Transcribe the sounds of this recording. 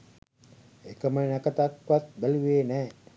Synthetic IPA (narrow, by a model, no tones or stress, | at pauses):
ekəmənækət̪at̪ʋat̪̚bæluʋeːnɛː